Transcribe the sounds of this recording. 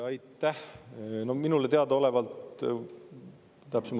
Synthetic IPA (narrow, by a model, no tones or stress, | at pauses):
ɑjt̪ːæhno̞hminulet̪eɑd̪ɑo̞le̞vɑlt̪ | t̪æpsemɑ